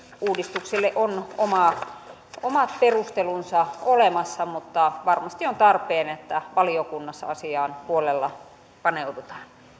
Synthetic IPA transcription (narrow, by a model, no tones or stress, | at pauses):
uːdist̪ukselːeʔonomɑ | omɑt̪̚perust̪elunsɑolemɑsːɑmut̪ːɑʋɑrmɑst̪iont̪ɑrpˑeːnet̪ːæʋɑliokunːɑsːɑ̰ɑsiɑːnpuolelːɑ | pɑneut̪ut̪ɑ̥ːn